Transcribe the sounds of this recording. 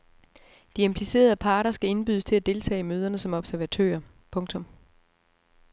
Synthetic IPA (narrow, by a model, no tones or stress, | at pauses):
d̥iempʰlise̝̰ːɐð̞ˠəpʰɑ̈ːɾɐsɡ̥æe̝nb̥yːð̞ˠəst͡sʰe̝æd̥e̝lt͡sʰɛ̰ːɪmøːð̞ˠɐnəsɒ̽mɒ̽b̥sæɐʋæt͡sʰø̰ːɐ | pʰɔ̽ŋt͡sʰɔ̽m